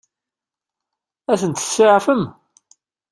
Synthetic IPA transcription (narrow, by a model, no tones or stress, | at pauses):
æθənt̪ə̥sːɪʕfəm